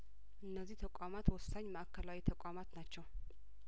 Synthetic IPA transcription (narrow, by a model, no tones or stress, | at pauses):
ʔɨnːəzːiht̪ʰəkʷʼamat̪wɔsːaɲːməʔakʰːəlawit̪ʰəkʷʼamat̪nat͡ʃːɛw